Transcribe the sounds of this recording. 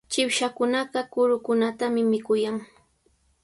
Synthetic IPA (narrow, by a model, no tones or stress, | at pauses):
t͡ʃɪwʃakʊnɑɢɑkʊɾʊkʊnat̪amɪmɪkʊjaŋ